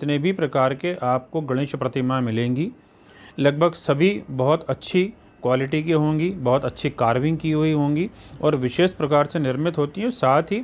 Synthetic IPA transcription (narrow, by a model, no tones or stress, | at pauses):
ɪt̪nebʱipɾɐkaːɾkeʔaːpkoɡɐɽ̃ɪʃpɾɐt̪ɪmamɪlẽːŋɡi | lɐɡ̚bʱəɡsɐbʱibɐɦʊt̪ɐtːʃʰi | kwaːlɪʈikeɦõːŋɡibɐɦʊt̪ɐtːʃʰikaːɾʋɪ̃ŋɡkiɦuiɦõːŋɡiɔːɾʋɪʃeːʃpɾɐkaːɾsenɪɾmɪt̪ɦoːt̪iɦɛ̃saːt̪ʰɦi